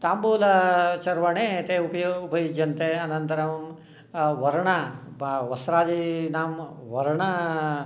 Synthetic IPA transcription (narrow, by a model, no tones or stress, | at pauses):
t̪aːmbuːlɐt͡ʃɐɾʋɐɳeːt̪eupɐjoupɐjud͡ʒːɐnt̪eɐnɐnt̪ɐɾɐʋm | ʋɐɾɐɳɐʋɐsɾaːd͡ʒinaːmʋɐɾɐɳɐ